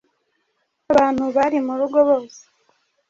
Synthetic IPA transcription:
aβaːn̥huβaɾimuɾuɡo̞βo̞ːse̥

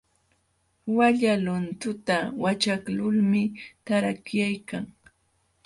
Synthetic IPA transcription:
waʎalʊnt̪ʊt̪awat͡ʃaklʊlmɪt̪aɾakjajkaŋ

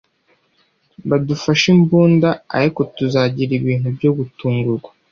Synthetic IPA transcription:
βadufaʃimbuːndaa̰ɾiko̞tuzaɟiɾiβiːn̥ubɟo̞ɡutuːŋɡuɾɡwḁ

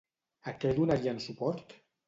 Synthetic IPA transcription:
ak̪elunaɾiansupɔɾt̪

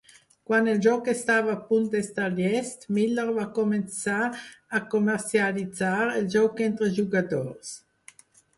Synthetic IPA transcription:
kwanɛld͡ʒɔkːest̪aːvapunt̪̚dɛst̪aljɛst̪milːəʁvakoment͡saːkomɛʁt͡sjalit͡saɾɛld͡ʒɔwkɛnt̪ɾəʒuɡad̪ɔʁs

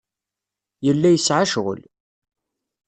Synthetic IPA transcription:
jəlːæjəsʕaʃʁə̰l

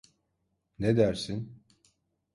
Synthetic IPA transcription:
ned̪æɾsin

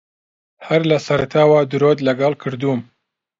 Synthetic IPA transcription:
hɐɾlɐsɐɾat̪ʰaːwad̪ɨɾod̪lɐɡɐlkʰɨɾd̪um

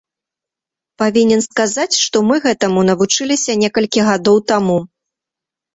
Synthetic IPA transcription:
pavʲinʲɛnskazat͡sʲʂt̪ɔmɨɣɛt̪ɐmunɐvut͡ʂɨlʲisʲɐnʲɛkɐlʲkʲiɣad̪ɔwt̪amu

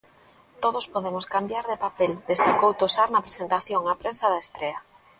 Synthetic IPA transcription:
t̪oð̞ospoðemoskambjaɾðepapeld̪est̪akowt̪osaɾnɐpɾesent̪aθjoŋapɾensaðaest̪ɾea

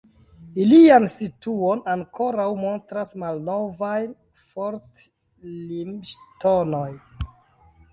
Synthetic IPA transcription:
iliansituonaŋkʰo̞ɾawmo̞ntɾasmalno̞vaj | foɾt͡s | limʃtonoj

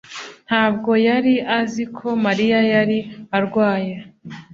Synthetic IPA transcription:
n̥haːb̚ɡo̞jaɾiʔazikʰo̞maɾijajaɾiaɾɡwaːje

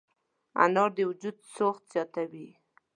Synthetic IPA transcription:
a̰nɑɾd̪əwʊd͡ʒud̪soxt̪z̥jɑt̪awi

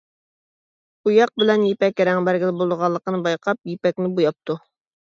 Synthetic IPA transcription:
ujɑq̚bɪlɛnjepɛkʲɾɛŋbæɾɡʲɪlɪbolˠd̪əʁɑlˠːəqənɨbɑjqʰɑp̚jepɛkʲnɪbujɑp̚t̪u

